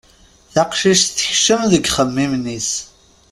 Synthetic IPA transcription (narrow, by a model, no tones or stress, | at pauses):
θaqʃiʃθəçʃəmðəɡʲχəmːimnis